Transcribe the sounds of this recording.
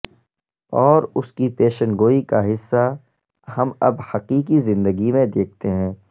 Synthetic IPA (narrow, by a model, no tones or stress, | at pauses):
ɔːɾʊskipeːʃənɡoːikaɦɪsːa | hɐmɐbhɐqiːqizɪ̃nd̪əɡimẽd̪eːk̚ʰt̪eɦɛ̃ː